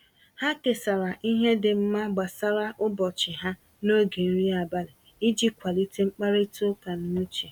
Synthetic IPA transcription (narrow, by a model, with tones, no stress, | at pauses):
ha˦ke˨sa˨ɾa˨ʔi˦ɦe˦dɪ˨m̩˦ma˦ɡ͡ba˨sa˦ɾa˦ʔʊ˦bɔ˨t͡ʃɪ˨ɦa˦ | no˦ɡe˨n̩˦ɾi˦a˨ba˦lɪ˨ | i˦d͡ʒi˦kʷa˨li˦ti˦ŋ͡m̩˦k͡pa˦ɾe˦to˦ka˨nu˦t͡ʃe˨